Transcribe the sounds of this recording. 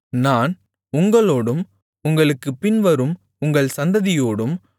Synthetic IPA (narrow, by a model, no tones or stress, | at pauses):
naːn | ʊŋɡɐɭoːɽɯm | ʊŋɡɐɭɯkːɯpːɪnʋɐɾɯm | ʊŋɡɐɭsɐnd̪ɐðɪjoːɽɯm